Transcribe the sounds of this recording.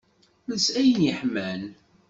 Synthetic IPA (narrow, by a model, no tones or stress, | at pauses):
məsæjnjəħmæn